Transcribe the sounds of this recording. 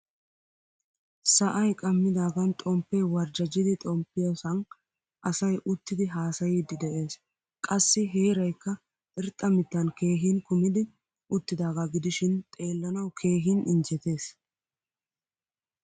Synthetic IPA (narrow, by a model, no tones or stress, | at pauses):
sɐʔɐjkʼɐmːɪd̪aːɡɐnt̪ʼɔmpːɛjwɐɾd͡ʒɐd͡ʒɪd̪ɪt̪ʼɔmpːɪjɔsɐn | ʔɐsɐjʔʊt̪ːɪd̪ɪɦaːsɐjid̪ːɪd̪ɛʔe̞ːs | kʼɐsːɪɦeːɾɐjkːɐ | ʔɪɾt̪ʼːɐmɪt̪ːɐnke̞ːɦinkʊmɪd̪ɪ | ʔʊt̪ːɪd̪aːɡɐɡɪd̪ɪʃɪnt̪ʼe̞ːlːɐnɐwkʰe̞ːɦɪnɪnd͡ʒɛt̪e̞ːs